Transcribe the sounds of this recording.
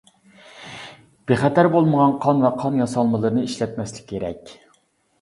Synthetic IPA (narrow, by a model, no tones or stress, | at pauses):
b̥eχɛt̪ʰæɾbolˠməʁɑnqʰɑnvɛqʰɑnjɑsɑlˠmɨlˠɨɾɨnɨiʃlɛt̪mɛslɪ̥kʲʰːeɾɛ̰kʲ